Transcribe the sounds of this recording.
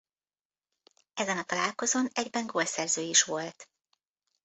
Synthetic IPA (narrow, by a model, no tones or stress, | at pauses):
ɛzɛnɒt̪ɒlaːlko̞zonɛɟbɛŋɡoːlsɛrzøːiʃʋo̞lt̪